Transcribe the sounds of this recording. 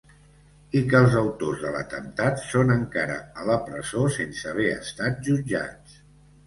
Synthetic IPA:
ikəlˠzəwt̪ozðələ̰t̪ənt̪at̪sonəŋkaɾə̰ələpɾəzosensəβ̞ɛə̰st̪at̪̚ʒud͡ʒa̰t͡s

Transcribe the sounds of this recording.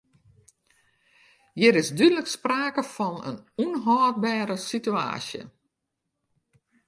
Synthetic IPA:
jɪɾɪsdydələkspraːkəfɔnə̰nunɦɔːt̚baːɾəsitya̰ːsjə̰

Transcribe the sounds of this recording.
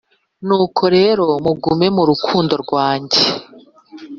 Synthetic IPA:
nuːkʰo̞ɾe̞ːɾo̞muɡume̞muɾukʰuːndo̞ɾɡwaːɲɟe

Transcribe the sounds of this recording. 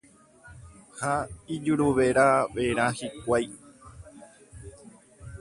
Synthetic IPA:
haid͡ʒuɾuʋe̞ɾaʋeɾ̃ãhikʷaj

